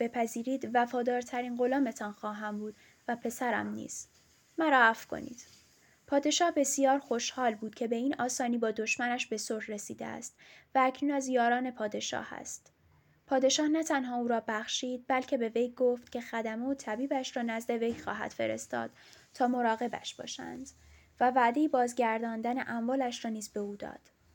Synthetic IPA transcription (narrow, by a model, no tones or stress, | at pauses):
b̥e̞pʰæziːɾiːd̪væfɒːd̪ɒːɾt̪ʰæɾiːnɢo̞lɒːme̞t̪ʰɒnxɒːɦæmbuːd̪ | væpʰe̞sæɾæ̰mnḭːs | mæɾɒːæfkʰo̞̰nḭːd̪̥ | pʰɒːd̪e̞ʃɒːhbe̞sijɒːɾxo̞ʃhɒːlbuːd̪̥̚cʰe̞be̞iːnɒːsɒːniːbɒːd̪o̞ʃmænæʃbe̞soɾhre̞siːd̪ḛæ̰st̪væːcʰnuːnæzjɒːɾɒːne̞pʰɒːd̪e̞ʃɒ̰ːhæ̰st̪ | pʰɒːd̪e̞ʃɒːhnæt̪ʰænɦɒːuːɾɒːbæxʃiːd̪̚bælcʲʰe̞be̞vejɡoft̪cʲʰe̞xæd̪æmeot̪ʰæbiːbæʃrɒːnæzd̪e̞ve̞jxɒ̰ːɦæ̰d̪̥fe̞̰ɾe̞̰st̪ɒ̰ːd̪̥ | t̪ʰɒːmo̞ɾɒːɣe̞bæ̰ʃb̥ɒ̰ːʃæ̰nd̪̥ | vævæːd̪e̞jibɒːzɟæɾd̪ɒːnd̪ænḛʔæmvɒːlæʃrɒːniːzbe̞uːd̪ɒ̰ːd̪̥